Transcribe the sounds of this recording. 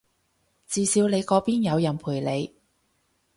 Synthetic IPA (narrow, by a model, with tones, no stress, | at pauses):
t͡siː˨˧siː˨˧wle˨˧jkɔː˨˧˥piː˥njɐ˨˧wjɐ˨˩npʰuː˨˩jle˨˧j